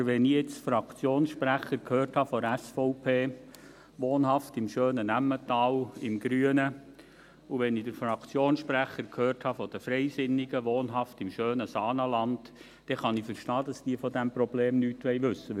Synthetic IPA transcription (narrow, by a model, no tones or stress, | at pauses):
ʋɛnijet͡sfɾɑkt͡sjoːnsʃpɾæχəɾkʰhøːrthɑfɔɾæsfɔʊpʰeː | ʋoːnɦɑftɪmʃøːnənæmːətɑːlɪmɡɾyənə | uʋɛnidəɾfɾɑkt͡sjoːnsʃpɾæχəɾkʰhøːrthɑfɔd̥̪əfɾɛɪsɪnːɪɡəʋoːnɦɑftɪmʃøːnəsɑːnəlɑnd | d̥ɛχɑnɪfəɾʃtɑːd̥ɑsd̥iːfɔd̪æmprɔbleːmnyːtʋɛɪʋɵsːə